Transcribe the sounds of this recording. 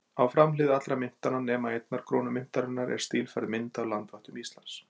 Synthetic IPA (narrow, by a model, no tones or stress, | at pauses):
awfɾamlɪːðɪat̪lɾamɪn̥t̪ananɛːmaejt̪naɾ̥kʰɾɔːnʏmɪn̥t̪aɾʏnːaɾɛ̰ɾst̪iːlfaɾðmɪnt̪awlant̪vaht̪ʏmist̪lans